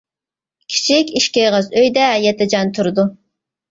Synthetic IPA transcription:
kʲʰi̥t͡ʃʰikʲiʃkʲejʁəzøjd̪ɛjɛt̪ʰɪd͡ʒɑnt̪ʰuɾɨd̪u

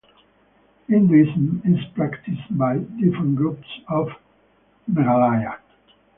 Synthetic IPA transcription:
ɪ̃nd̪isənɪzpɹækt̪ʰɪstbajdɪfɹə̃nɡɹupsɔv | mɛɾalaja

